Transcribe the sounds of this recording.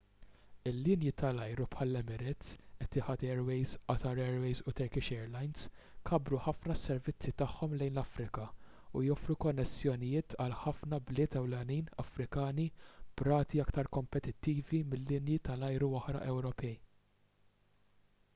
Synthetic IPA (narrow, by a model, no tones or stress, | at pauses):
ɪlːɪnjit̪ɐlɐjɾupħɐlːɛmɪɾɪt͡sɛt̪ːɪħɐt̪ɛːɾwɛjzɐt̪ɐɾɛːɾwɛjzut̪ɛɾkɪʃɛːɾlɐjnskʰɐbɾuħɐfnɐsːɛɾvɪt͡sːit̪ɐħːɔmlɛjnlɐfɾɪkɐ | ujɔfɾukɔnːɛsːjɔnɪjɪːt̪ɐlħɐfnɐblɪːt̪ɛwlɛniːnɐ̰fɾɪkɐːnib̥ɾɐːt̪iɐkt̪ɐɾkɔmpɛt̪ɪt̪ːiːvimɪlːɪnjit̪ɐlɐjɾuɔħɾɐ̰ʔɛwɾɔpɛj